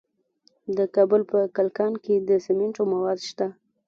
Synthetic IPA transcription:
d̪əkɑbʊlpəkalkɑnked̪əsemɪɳʈomawɑd̪ʃt̪a

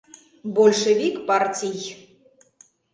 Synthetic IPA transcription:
bolʲʂɛvʲikpartʲij

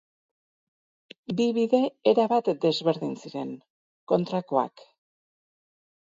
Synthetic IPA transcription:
biβiðe̞eɾaβat̪d̪e̞zβe̞ɾðinsiɾeŋ | ko̞nt̪ɾako̞a̰k

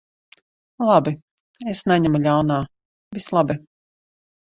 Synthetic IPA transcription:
lˠabi | esnaɲamulʲawnaː | vislˠabi

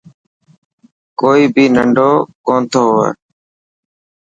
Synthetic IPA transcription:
koːiːbʱiːnəɳɖoːkõːnt̪ʰoːɦoːa̰ː

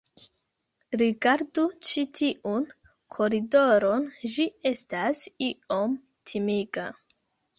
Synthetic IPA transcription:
ɾiɡaɾdut͡ʃitiʔun | kʰo̞ɾido̞ɾo̞nd͡ʒie̞stasio̞m | tʰimiɡa

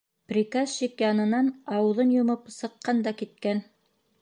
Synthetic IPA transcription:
prʲikazʃikjɑnɤ̆nɑnɑwɤ̆ðɤnjŏmɤpsɤ̆qːɑnd̪ɑkit̪̚kæn

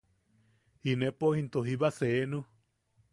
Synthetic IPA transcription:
inepohint̪oɦiβaseːnu

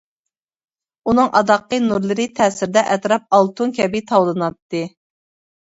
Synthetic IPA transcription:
unɨŋʔɑ̰d̪ɑqːənuɾlˠɨɾɨt̪ʰɛːsɪɾd̪ɛʔɛt̪ɾɑp̚ɑlˠt̪ʰuŋkʲɛbit̪ʰɑwlˠɨnɑt̪ːɨ

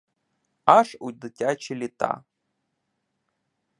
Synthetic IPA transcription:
aʂud̪ɨtʲat͡ʃilʲit̪a̰

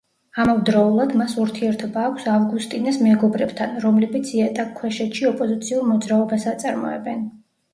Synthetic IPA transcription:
amɔvd̪ɾɔulˠad̪masuɾt̪ʰiɛɾt̪ʰɔbaːkʷʰsavɡust̪ʼinɛsmɛɡɔbɾɛbt̪ʰanɾɔmlɛbit̪sʰiat̪ʼakʰːwɛʃɛt̪ʃiɔpʼɔzit̪sʰiuɾmɔd̪zɾaɔbasat̪sʼaɾmɔ̰ɛ̰bɛn

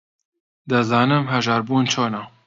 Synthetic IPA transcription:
d̪ɨzɑːnɨmɦɛʒɑːɾbuːnt͡ʃʰoːna

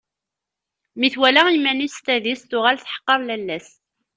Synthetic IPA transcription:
miθwælæimːænist̪æðist̪ʊʁælθħə̥qːəɾˤlælːæs

